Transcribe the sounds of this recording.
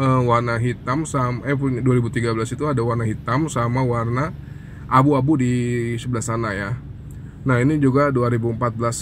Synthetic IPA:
əwarnaɦit̪amsamɛpuɲduaɾibut̪iɡabəlasit̪uadawarnaɦit̪amsamawarna | ʔabuabudisəbəlast̪anaja | naɦinid͡ʒuɡaduaɾibuəmpat̪̚blas

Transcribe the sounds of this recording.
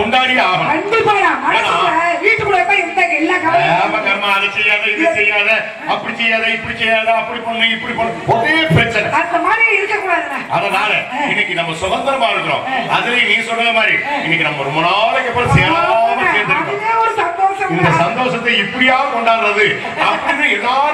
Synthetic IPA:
ɔɳɖaːɽɪjaʋɐɐnd̪ɯpɐɐnãːmɐnːɐʋiːʈːɯkːʊɽɐɛpːɐɪɾɯaːkɐɪlːɐkɐʋɐamɐkːaːɾmaɐðɐsɛjaːðɐɪðɯsɛjːaːðɐ | ɐpːɐɽisɛjːaːðɐɪpːɐɽit͡ʃɛɾjaːðɐɐpːɐɽipɐɳːnɐ̃ɪpːɐɽipɐnːɯpɔtːɪeːʈ̚pɾɐt͡ʃːɐnɛɐnd̪ɐmaːɾiɪɪɾɯkːɐkːuːɽaːðɯnɐɐðɐnaːlɛɪnːɛkːinɐmːɐsʊɣɐnd̪ɐɾɐmaːɪɾɯkːɯɾõ̰ːɐðɯlenĩːsɔnːɐɾɐmaːd̪ɾiɪnːɛkːinɐmːɐɾɯmɐnaːlɐkːɛpːɐɾɐsɛjɐ̃nːkeːɾnd̪ɯɐ̃ | eːɔɾɯsɐnd̪oːsɐnmːɐssɐnd̪oːsɐt̪ːɐɪpːɐɽɪjaːʋɐkɔɳɖaːnɾɐðɯ | ɐpːɐɽɪnːɯ̃ɛlːaː

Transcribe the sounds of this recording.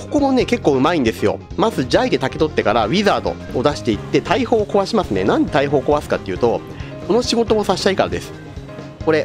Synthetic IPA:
ko̞̥ko̞mo̞ne̞ke̞kːoːɯ̟maĩnd̪e̞sɨjo̞̰ | mazɨd͡ʑaid̪e̞t̪ake̞t̪o̞t̪ːe̞kaɾaβʲizaːt̪o̞̰ːd̪aɕi̥t̪e̞it̪ːe̞t̪aiho̞ːko̞βaɕimasɨnḛnãnd̪e̞t̪aiɦo̞ːko̞βasɨ̥kat̪ːe̞iɯ̟t̪o̞ | ko̞no̞ɕiɡo̞t̪o̞mo̞saɕi̥t̪aikaɾa̰d̪e̞sɨ̥ | ko̞ɾe̞

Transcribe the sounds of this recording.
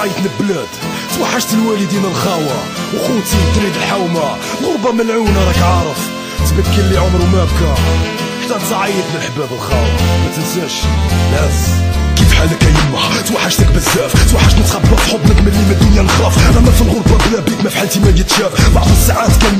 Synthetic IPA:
ʕijət̪nək̚blæd̪̥ | t̪waħːaʃt̪əlwælid̪inəlxæwæ | wxut̪it̪ˤɾid̪əlħawma | ɣʊɾˤbɑməlʕunɑɾˤɑkʕɑɾˤəf | t̪bəkːəlːiʕomɾwmæb̚kæ | ʃt̪ɑd̪sɑʕijət̪nəlħbæbəlxæwæ̰mæt̪ənsæʃlæzkifħalːəkːæjəmːaħt̪waħːaʃt̪ik̚bəzːæft̪waħːaʃt̪nət̪qɑblɑfħobnəkməlːiməd̪ʊnjælxɑfɾæmæfəlɣoɾˤbɑblæbikmæfiħalt̪imæd͡ʒət̪ʃæfbaʕd̪ˤəsːaʕat̪kæn

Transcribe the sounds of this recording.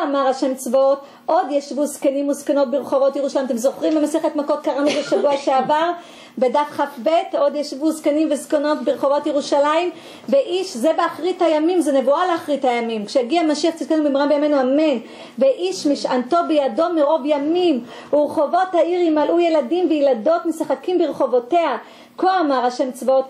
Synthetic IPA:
amaʁaʃemt͡svoot | ʔo̞d̪jaʃvuzkenimuzkano̞t̚beʁeχo̞vo̞tjeʁuʃalajimat̪emzo̞χʁimbemaseχetmako̞t̚kaʁanubeʃavuaʃeavaʁ | bedafχafbe̞to̞d̪jaʃvuskanimveskono̞tbeʁeχo̞vo̞tjeʁuʃalaim | ve̞ʔiʃzebeaχʁithajamimzenevualeaχʁithajamimkʃejaɡiamaʃiaχt͡sitkanubimʁambejamenuamen | veʔiʃmiʃanto̞bejado̞meʁo̞vjamim | uʁeχo̞vo̞thaiʁimalʔuje̞ladimvejlado̞tmesaχakimbeʁeχo̞vo̞tea | koamaʁaʃemt͡svot

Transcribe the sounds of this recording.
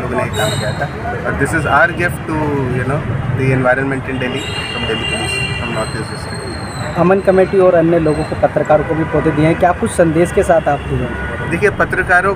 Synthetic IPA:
luɡuneik̪ãmkijat̪ʰa | ɔɾd̪ɪsɪzaːəɾɡɪfʈːujunoːd̪iɛ̃nʋaɪɾənmɛ̃ɳʈɪ̃nɖeli | fɾɔ̃mɖeliklisfɾɔ̃mnɔːt̪isɪsɪk | ɐmənkɐmeːʈiɔːɾɐnːəloːɡõkopɐt̪ɾəkaːɾõkobʱipoːd͡ʒ̪ed̪ieɦɛ̃kjaːkʊt͡ʃʰsɐ̃nd̪eːskesaːt̪ʰaːp̚d͡ʒud͡ʒẽː | d̪eːkʰiepɐt̪ɾəkaːɾõ

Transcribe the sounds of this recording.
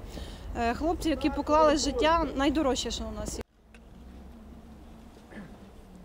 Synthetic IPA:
xlˠɔp̚t͡sʲijɐkʲipɔklˠɑlˠɪʒɪtʲːanɐjd̪ɔɾɔʃɛʃɔʊnɑs

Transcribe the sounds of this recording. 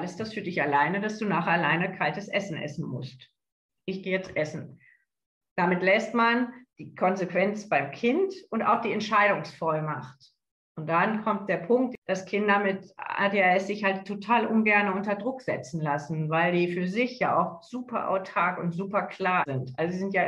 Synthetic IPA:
alɪsd̥asfyːɐdɪçalaɪnədasd̥uːnaːχalaɪnəkʰaltəsʔɛsn̩ʔɛ̰sn̩mʊ̰st | ʔɪçɡ̥eːɛt͡sʔɛsn̩ | d̥amɪtlɛstmand̥iːkʰɔnzekv̥ɛnt͡sb̥aɪmkʰɪntʔʊnta̰ʊxd̥iːɛntʃaɪɾʊŋsfɔlmaχt | ʔʊnt̚d̥ankʰɔmt̚d̥eːɐpʰʊŋk̚td̥askʰɪndamɪtha̰tjaɛsz̥ɪçhaltʰːotʰaːlʔʊnɡɛɐnəʔʊntɐdʁʊkz̥ɛ̰t͡sn̩lasn̩vaɪldiːfyːɐzɪçja̰ːʔa̰ʊxz̥uːpʰɐ̰ʔa̰ʊtʰaːkʊntz̥uːpɐkʰl̥aːɐzɪntʔalzoziːzɪntja

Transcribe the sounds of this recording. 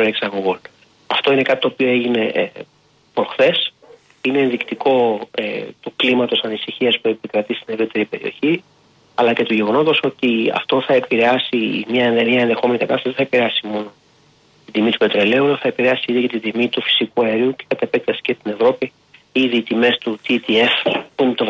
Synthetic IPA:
oeksɐŋɣol | ɐft̪o̞ine̞kɐt̪i̥t̪oːpio̞e̞ʝine̞ | pɾo̞xθe̞s | ine̞ðikt̪iko̞ḛt̪uklimɐt̪o̞sɐnisiçiɐspuepikɾɐt̪ist̪ine̞vɾit̪e̞ɾipe̞ɾio̞̰çi | ɐlɐce̞t̪uʝe̞ɣo̞no̞t̪o̞so̞t̪iɐ̰ft̪o̞θɐepiɾe̞ɐsimɲɐeemɐenðe̞xo̞me̞nikɐt̪ɐst̪ɐsðeθɐepiɾeɐsimo̞no̞ | t̪id̪imit̪u̥pe̞t̪ɾe̞le̞ulɐθɐe̞piɾeɐsiiðiʝɐt̪id̪imit̪ufi̥sikuɐeɾiuce̞̥kɐt̪epek̚t̪ɐsi̥cest̪ine̞vɾo̞pi | iðiːt̪ime̞st̪ut̪it̪ie̞fpumt̪ov

